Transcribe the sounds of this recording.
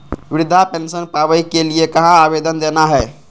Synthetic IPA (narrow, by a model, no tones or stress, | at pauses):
ʋɪɾʊd̪ʱapensənpaːʋəikeliekɐɦãabed̪ənd̪eːnaɦɛː